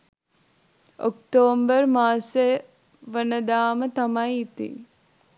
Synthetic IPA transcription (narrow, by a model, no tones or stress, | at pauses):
okt̪oːmbərmaːse | ʋənəd̪aːmət̪amɐjit̪ḭ